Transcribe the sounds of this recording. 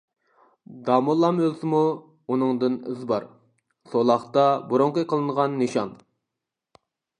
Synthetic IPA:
d̪ɑmulˠːɑmølsɪmu | unɨŋd̪ɨny̰zbɑɾ | solˠɑχt̪ɑbuɾoŋqəjqʰəlˠɨɴʁɑnːɨʃɑn

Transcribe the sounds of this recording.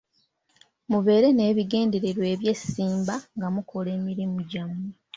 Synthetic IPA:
muve̞ːɾe̞ne̞ːβiɡe̞ːnde̞ɾe̞ɾwe̞ːβje̞siːmbaŋɡamukʰo̞le̞ːmiɾimuɟamu

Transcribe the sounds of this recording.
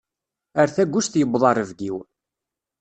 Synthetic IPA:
əɾθæɡʷːʊʃθjəbðˤɑɾˤəvɡiw

